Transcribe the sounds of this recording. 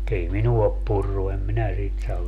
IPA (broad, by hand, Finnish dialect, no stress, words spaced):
ei minuɑ op purːu em minæ sit sɑʋ